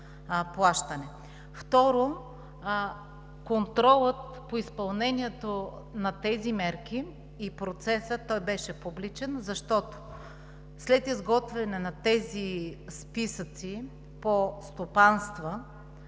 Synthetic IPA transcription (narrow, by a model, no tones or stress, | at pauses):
plˠaʃt̪ɐnɛ | ft̪ɔɾo | kont̪ɾɔlˠət̪ | poispɐlˠnɛniɛt̪o | nɐt̪ɛzimɛɾk̟iː | pɾot̪sɛsət̪ɔjbɛʃɛpublit͡ʃɛnzɐʃt̪ɔt̪o̥ | slɛt̪izɡɔt̪vɛnɛnɐt̪ɛzispisət̪si | post̪opanst̪və